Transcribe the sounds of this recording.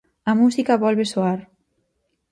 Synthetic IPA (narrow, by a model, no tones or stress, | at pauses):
amusikaβɔlβesoaɾ